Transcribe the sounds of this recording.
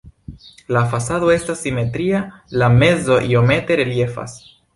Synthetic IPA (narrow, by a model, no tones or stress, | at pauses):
lafasado̞e̞stasːime̞t̪ɾialame̞zo̞ʔio̞me̞te̞ɾe̞lje̞fa̰s